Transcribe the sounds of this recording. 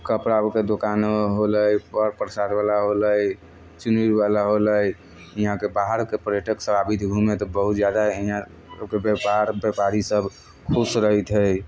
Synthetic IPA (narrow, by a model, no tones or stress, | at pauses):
kəpɾaəbked̪okanɦoləjpəɾpɾsaɾbalaɦoləj | t͡ʃuniɾbalaɦoləj | iɦãkebaɦəɾkepəɾjeʈəksəbabit̪ɡʱumet̪ɔbəɦut̪d͡ʒjad̪aiɦã | ə̰bkebepaɾbjepaɾisəb | kʰusɾəɦit̪ɦəj